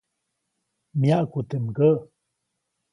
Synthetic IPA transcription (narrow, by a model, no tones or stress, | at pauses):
mjaʔkut̪əmɡəʔ